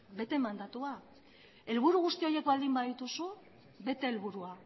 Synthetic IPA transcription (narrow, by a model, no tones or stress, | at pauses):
be̞t̪e̞mand̪at̪ua | e̞lβ̞uɾuɣ̞ust̪io̞je̞kbald̪imbaðit̪usu | be̞t̪e̞ːlβuɾua